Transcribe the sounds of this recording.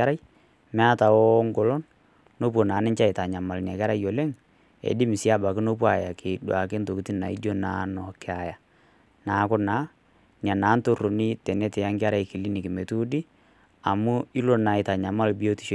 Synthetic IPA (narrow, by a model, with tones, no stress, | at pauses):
a˦ɾa˦j | mɛ˦a˦ta˨wɔ˦ŋɡɔ˨lɔ˦nː | o˦p̬o˨naː˨˦nɪ˦ɲt͡ʃa˦ɪ˨ta˨ɲa˨ma˨ln˨a˨kɛ˦ɾa˦jo˨le˦ŋ | ḛ˨di˦mɪ˨si˦a˦ba˨kɪ˦no˦p̬wa˨ja˨ke˨dwa˨ke˦nto˨ki˦ti˦na̰˨ḭ˦do˦na̰ː˨˦nɔ˨kɪ˦a˨ja˨ | naː˨˦kʊ˦na˨˦ | ɲa˨naː˨˦nto˦˨ro˨ni˦tɛ˨nɛ˦tɛ˨ja˦ŋɡɪ˦a˦ɾa˨jkɪ˨li˦nɪ˨kɪ˨me˨tu˦di˦ | a˨mu˦ɪ˦lo˨na˨ɪ˨ta˨ɲa˨ma˦lbi˦o˦ti˦ʃ